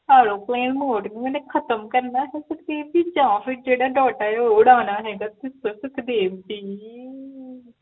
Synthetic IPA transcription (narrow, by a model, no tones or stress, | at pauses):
aːɾõːplẽːnmoːʈnĩːɛnẽːkʰət̪əmkəɾnaːɦɛːsəkd̪eːd̪iːd͡ʒãːpʰɪɾd͡ʒeːɽaːɖɔːʈaːeoːʊɽaːnaːɦɛːɡaːt̪ɪsõːsəkʰd̪eːʋdiː